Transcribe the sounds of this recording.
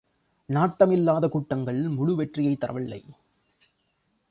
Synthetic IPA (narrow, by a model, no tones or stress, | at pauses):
naːʈːɐmɪlːaːðɐkuːʈːɐŋɡɐɭɪlmʊɻʊʋɛʈrɪjɐɪt̪ːɐrʔɐ̰ʋɪlːɐ̰ɪ